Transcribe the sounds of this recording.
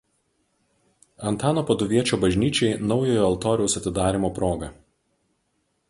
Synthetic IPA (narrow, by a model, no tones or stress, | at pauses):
ɐnt̪ɑːnoːpɐd̪ʊʋʲiɛt͡ʃʲoːbɐʒʲnʲiːt͡ʃʲɛɪnɒʊjoːjoːɐlˠt̪oːɾʲɛʊsɐt̪ʲɪd̪ɑːɾʲimoːpɾoːɡɐ